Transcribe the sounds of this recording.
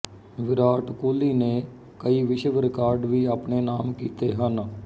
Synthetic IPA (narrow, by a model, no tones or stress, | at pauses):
ʋɪɾaːʈkoːliːnẽː | kəiːʋɪʃʋɾɪkaːɾɖʋiːaːpɳeːnaːmkiːt̪eːɦən